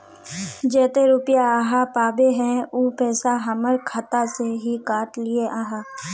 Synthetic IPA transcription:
d͡ʒɛːt̪eɾuːpɪjaaːɦapaːbeɦɛ̃uːpɛːsaɦɐməɾkʰat̪aseɦikaːʈlɪeʔaːɦaː

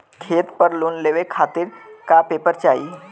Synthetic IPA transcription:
kʰet̪pəɾluːnleʋekʰat̪iːɾkapepəɾt͡ʃai

